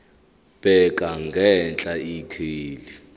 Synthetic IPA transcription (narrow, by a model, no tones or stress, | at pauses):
ɓ̥ɛkʼaŋɡʱɛnt͡ɬʼaikʰiːli